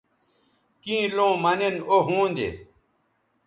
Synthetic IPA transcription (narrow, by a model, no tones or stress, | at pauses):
kĩːlõːmɐnenoɦũːnd̪ḛ